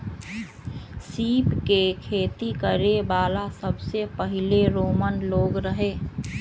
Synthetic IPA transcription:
siːpkekʰeːt̪ikəɾebaːlasəbsepəɦɪleɾoːmənloːɡɾəɦeː

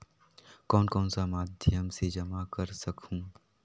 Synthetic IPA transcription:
kɔːnkɔːnsamaːd̪ʱjəmsed͡ʒɐmakɐɾsɐkʰũː

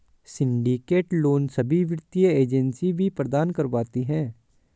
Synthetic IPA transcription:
sɪ̃ɳɖikeːʈloːnsɐbʱiʋɪɾt̪ijəeːd͡ʒənsibʱipɾəd̪aːnkəɾʋaːt̪iɦɛ̃ː

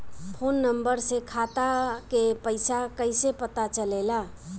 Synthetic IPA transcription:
pʰonːəmbəɾsekʰat̪akepəɪsakəɪsepət̪at͡ʃəlela

